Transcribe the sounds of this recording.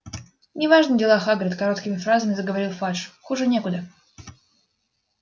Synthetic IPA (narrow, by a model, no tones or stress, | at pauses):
nʲɪvaʐnɨdʲɪlˠaxaɡɾʲɪt̪kɐɾo̞t̪kʲɪmʲɪfɾazəmʲɪzəɡəvɐɾʲilˠfaʂxuʐɨnʲe̞kʊd̪ə